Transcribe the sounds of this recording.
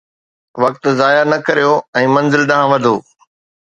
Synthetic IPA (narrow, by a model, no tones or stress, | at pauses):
ʋɐk̚t̪̆zaːjaɾnɐkɐɾijoɛ̃ːmɐ̃nzɪlɗɐɦãʋɐd̪ʱoː